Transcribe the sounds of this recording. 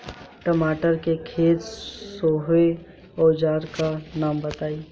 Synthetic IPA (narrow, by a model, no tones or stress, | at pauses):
ʈəmaːʈəɾkekʰeːt̪soɦe | oːd͡ʒaːɾkanaːmbət̪aːi